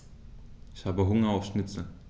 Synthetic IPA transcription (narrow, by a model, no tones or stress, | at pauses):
ɪçhaːbəɦʊŋɐaʊfʃnɪt͡sl̩